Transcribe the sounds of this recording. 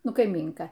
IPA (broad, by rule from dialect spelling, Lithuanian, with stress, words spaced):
ˈnʊ kɐɪˈmʲiːŋkɐ